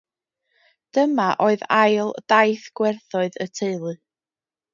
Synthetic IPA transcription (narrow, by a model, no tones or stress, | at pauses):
d̥əmaʔoɨðajlˠd̥ajθɡ̥wɛrθɔɨðətʰeɨlˠɨ